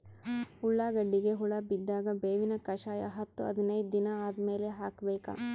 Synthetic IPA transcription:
uɭːaːɡɐɖːiɡe̞ɦuɭɐbid̪ːaːɡɐbeːʋinɐkɐʃaːjɐ̰ɦɐt̪ːuɐ̰d̪ɐnɐjd̪d̪inɐaːd̪ɐme̞ːle̞ɦaːkɐbeːkɐ̰

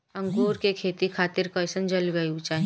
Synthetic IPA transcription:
ɐ̃ŋɡoːɾkekʰeːt̪ikʰaːt̪ɪɾkɔsənd͡ʒɐlɡɐjut͡ʃaː

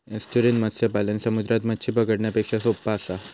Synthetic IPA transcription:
esʈuɾinmət̪sepalənsəmud̪ɾat̪mət̪ɕʰipəɡəɽɳjapekʂasopːasa

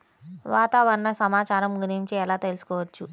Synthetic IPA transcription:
ʋaːt̪aːʋɐɾnɐsɐmaːt͡ʃaːɾɐmɡuniɲt͡ʃeɛlaːt̪e̞lsu̥kɔːʋɐt͡ʃːu

